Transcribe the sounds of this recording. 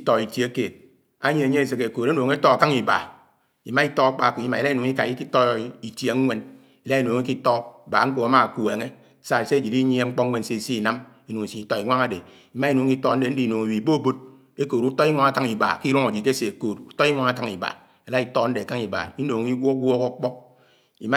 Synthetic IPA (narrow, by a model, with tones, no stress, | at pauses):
i˦to˨i˨tje˨˦a˦ke˨t̚ | a˦ɲe˨e˨ɲe˦e˨sɨ˨ke˨ko˨ɾe˦no˨ŋe˦tɔ˦a˨ka˦ŋi˨ba̰˨ | i˨ma˦i˦tɔ˦a˦k͡pa˦˨ku˨i˦ma˨la˦i˦nu˨ŋi˦ka˨i˦ki˦to˦i˨tje˨˦ŋʷ˦e˦n | i˨la˦i˦˨no˨ŋi˦ki˦tɔ˦˨ba̰˨˦ŋ͡m̩˦ko˨a˨˦ma˨ku˨e˨ŋe˦ | sa˨e˨se˦d͡ʒi˨i˦ɲi˦e˦ŋ͡m̩˦k͡pɔ˦e˦n˦se˦˨si˦i˨na˦m | e˦nu˨ŋi˨si˨i˨tɔ˦i˨ŋʷa˦ŋa˨˦de˨ | i˨˦ma˦i˦nu˨ŋ˦ki˦tɔ˦n̩˦de˨n̩˦di˨no˨ŋe˨wi˨bo˦bo˦t̚ | e˦koː˨ɾu˦tɔ˦i˦ŋʷa˦ŋa˨ka˦ŋi˨ba̰˨ki˦ɾo˦ŋa˨d͡ʒi˨te˦se˨e˨koː˨tu˨tɔ˦i˦ŋʷa˦ŋa˨ka˦ŋi˨ba̰˨ | e˨la˦i˦to˦n̩˦de˨ka˦ŋi˨ba̰˨i˦no˨ŋi˦wʷo˦ɡʷɔ˦ko˦k͡pɔ˦k̚ | ḭ˨ma˦